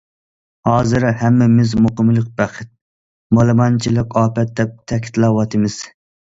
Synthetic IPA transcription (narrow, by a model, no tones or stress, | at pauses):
hɑːzɨɾhɛmːɛmɪzmoqəmlˠɨq̚bæχʰɨt̪̚ | molˠɨmɑnt͡ʃʰilˠɨqɑːpɛt̪̚d̪ɛp̚t̪ʰɛkʲʰi̥t̪lˠɑwɑt̪ʰɨmɪz̥